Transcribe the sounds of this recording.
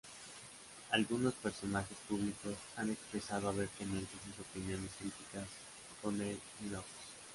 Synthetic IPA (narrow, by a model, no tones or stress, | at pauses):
alɣuno̞spe̞ɾso̞naxe̞spuβliko̞sane̞kspɾe̞saðoaβ̞e̞ɾk̪emẽnt̪es̬uso̞pinjõ̞ne̞skɾit̪ikas | ko̞nel | inoks